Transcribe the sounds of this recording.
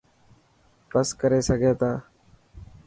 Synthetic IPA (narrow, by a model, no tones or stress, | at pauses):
pəskəɾeːsəɡʱeːt̪aː